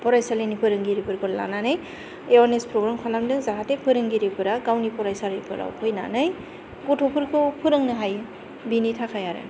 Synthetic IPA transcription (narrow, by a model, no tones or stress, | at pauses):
pɔɾajsalenipʰɯɾɯŋɡiɾipɯɾkʰɔɾla̰nanɯj | eɔnespɾɔɡɾamkʰalamdɯŋzaɦatepʰɯɾɯŋɡiɾipɯɾaɡawnipɔɾajsaɾɯjpʰɯɾa̰wpʰɯjna̰nɯj | ɡɔtʰɔpʰɯɾkʰopʰɯɾɯŋnɯɦaj | binitʰakʰajaɾɯ̰